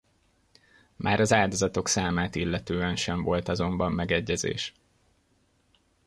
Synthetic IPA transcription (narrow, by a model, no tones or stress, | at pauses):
mʔaːɾɒzaːld̪o̞zɒt̪o̞ksaːmaːt̪ilːɛt̪øːɛnʃɛɱvo̞lt̪ɒzo̞mbɒmːɛɡɛɟːɛzḛːʃ